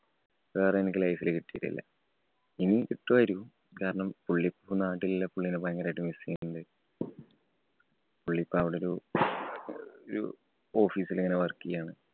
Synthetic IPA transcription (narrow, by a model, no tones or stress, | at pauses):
parɐjenikʲːilɐjfilkiʈːijiʈːḭlːɐ̰ | initiʈːoɐɾu | kaːɾɐɳɐmpuɭːipːunaːʈːilːɐpuɭːinɨpɐjŋːɡɐɾaːjʈːumʋisijnɳɖɨ | puɭːipːɐʋiɽeoɾu | oɾṵ | o̞ːfiːsileŋːɐneʋɐrkːijaːɳɨ